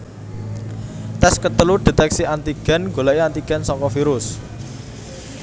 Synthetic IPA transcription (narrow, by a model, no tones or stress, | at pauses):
t̪ɛskət̪əlud̪̥e̤t̪ɛksiant̪iɡ̥ɛ̤nŋɡo̤laeant̪iɡ̥ɛ̤nsɔŋkɔfiɾʊs